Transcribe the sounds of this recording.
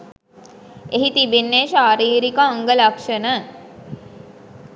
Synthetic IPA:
eɦit̪ibenːeʃaːɾiːɾikəaŋɡəlakʂənə

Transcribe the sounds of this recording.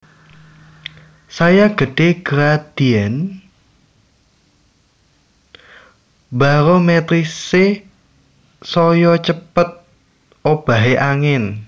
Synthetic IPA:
sajaɡ̥ə̤ɖ̥e̤ɡ̥ɾad̪̥iɛn | baɾomɛt̪ɾisɪ | sɔjɔt͡ʃəpət̪̚ | ʔob̥a̤ɦeʔaŋɪn

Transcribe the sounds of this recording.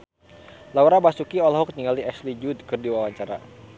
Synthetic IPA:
lauɾabasukiɔlaɦuk̚niŋaliɛslid͡ʒud̪̚kɨrdiwawaɲt͡ʃaɾa̰

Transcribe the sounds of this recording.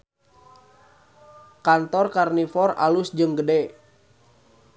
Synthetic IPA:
kant̪ɔrkarnifɔra̰lusd͡ʒɨŋɡədɛ

